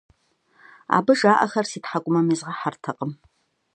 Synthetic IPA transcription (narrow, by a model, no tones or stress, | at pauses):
a̰ːbɨʒaːʔɐ̰xɐrsiːtħakʷʼʊmɐmizʁɐħartʰɐqʼəm